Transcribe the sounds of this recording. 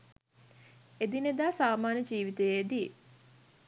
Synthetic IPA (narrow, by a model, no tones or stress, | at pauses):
ed̪ined̪aːsaːmaːnəd͡ʒiːʋit̪ejed̪i